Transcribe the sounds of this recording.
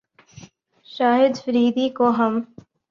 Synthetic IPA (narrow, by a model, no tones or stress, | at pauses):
ʃaːɦɪd̪fəɾiːd̪ikoɦɐm